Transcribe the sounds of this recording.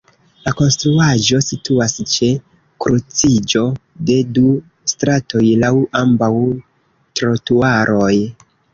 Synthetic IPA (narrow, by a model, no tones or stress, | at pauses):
lako̞nstɾuad͡ʒo̞situast͡ʃe̞ | kɾut͡sid͡ʒo̞de̞du | stɾatʰo̞jlawambaw | tɾotuaɾʔo̞j